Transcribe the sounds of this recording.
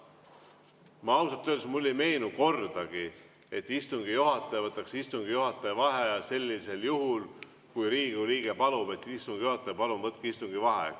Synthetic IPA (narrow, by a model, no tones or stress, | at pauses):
mɑɑwsɑt̪ːød̪smulːejme̞jnuko̞rd̪̥ɑɡ̥i | e̞t̪ːˑist̪uŋɡ̥ijuɦɑt̪ːˑejvɤt̪ːˑɑksist̪uŋɡ̥ijuɦɑt̪ˑːevɑɦejɑse̞lʲːise̞ljuɦul | kujɾiːɡ̥uɾiːɡ̥e̞pɑlub̥e̞t̪ːˑist̪uŋɡ̥ijuhɑt̪ːˑepɑlumvɤt̪̚kist̪uŋɡ̥ivɑɦḛ